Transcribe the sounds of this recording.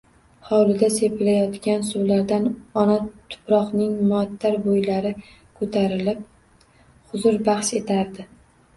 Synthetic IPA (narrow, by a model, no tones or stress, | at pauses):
hɒwlɪd̪ase̞pɪlajɒt̪kʲansʊwlaɾd̪anɒnat̪ʰʊ̥pɾɒqnɪŋmt̪ʰːaɾbojlaɾɪ | kʰɵt̪ʰaɾɪlɪp̚ | χʊzʊɾbaχʃe̞t̪ʰaɾd̪ɪ